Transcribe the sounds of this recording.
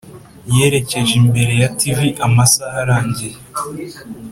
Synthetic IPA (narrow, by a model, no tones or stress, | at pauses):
je̞ːɾe̞ce̞ʒimbe̞ɾe̞jativiʔamasahaɾaːɲɟie